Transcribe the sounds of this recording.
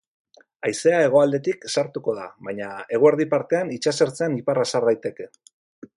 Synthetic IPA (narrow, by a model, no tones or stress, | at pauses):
ajse̞ae̞ɣ̞o̞ald̪e̞t̪iksaɾt̪uko̞ð̞a̰βajɲae̞ɣ̞oeɾð̞ipaɾt̪e̞anit͡ʃaseɾt͡se̞aniparasaɾðajt̪e̞ke̞